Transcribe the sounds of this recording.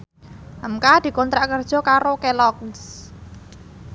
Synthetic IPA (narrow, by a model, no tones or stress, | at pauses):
ʔəmkad̪̥i̤kɔnt̪ɾaʔkərd̥ʒ̥ɔ̤kaɾokelɔk̚s